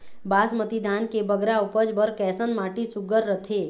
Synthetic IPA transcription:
baːsmət̪id̪aːnkebəɡɾaupəd͡ʒbəɾkɛːsənmaːʈisʊɡəɾːət̪ʰe

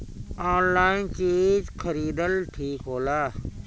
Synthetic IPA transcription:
aːnlaːɪnt͡ʃiːzkʰəɾiːd̪əlʈʰiːkɦoːlaː

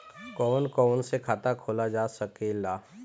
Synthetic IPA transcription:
kɔːnkɔːnsekʰaːt̪akʰoːlad͡ʒaːsɐkelaː

